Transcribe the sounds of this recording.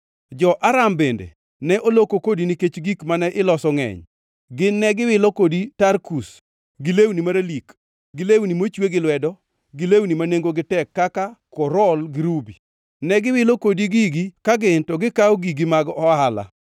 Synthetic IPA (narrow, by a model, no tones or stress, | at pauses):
d͡ʒɔʔaɾambendḛ | nɛʔolokokodiniket͡ʃɡikmanɛʔɪlɔsɔŋɛ̰ɲ | ɡɪnːɛɡɪwɪlɔkoditarkus | ɡɪlewnimaɾalik | ɡɪlewnimot͡ʃweɡɪlwɛdɔ | ɡɪlewnimaneŋɡoɡɪtɛkːakakɔɾɔlɡɪɾubi | nɛɡɪwɪlokodiɡiɡikaɡɪntɔɡɪkawɔɡiɡimaɡɔɔɦala̰